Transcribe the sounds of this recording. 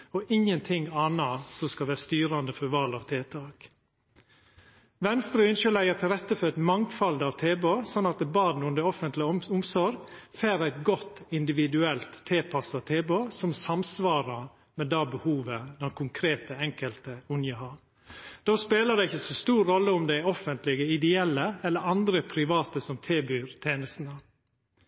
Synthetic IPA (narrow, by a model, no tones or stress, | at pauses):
ɔʔɪŋənt̪ʰɪŋɑːnɑsɔskɑlʋæːɾst̪yːɾɑnd̪əfɔɾʋɑlɑʋt̪ʰeːt̪ʰɑːk | ʋɛnst̪ɾəʏnʃəlæɪəɾt̪ʰɪlɾɛt̪ːəfɔɾɛt̪mɑŋt̪fɑld̪ɑːʋt̪ʰeːbøːsɔnːɑt̪̚d̪ɛbɑːd̪nʉnd̪əɾɔfənt̪lɪʊmsɔɾɡfeːɾæɪt̪ɡɔt̪ːɪnd̪ɪʋɪd̪ʉɛlt̪ʰːeːpʰɑsɑt̪ʰeːboːsɔmsɑmsʋɑːɾə | mɛd̪ɑːbəhuːʋəd̪ɛnkʰʊŋkʰɾeːt̪əɛŋkəlt̪əʉnjəhɑːɾ | d̪̥oːspeːləd̪ɛɪçəsɔst̪uːɾːɔlːəʊmd̪ɛɪɔfənt̪lɪɡəɪd̪ɛɛlːəɛlːəɾɑnd̪ɾəpʰɾɪʋɑːt̪əsɔmt̪ʰeːbyːɾt̪ʰeːnəst̪n̩ə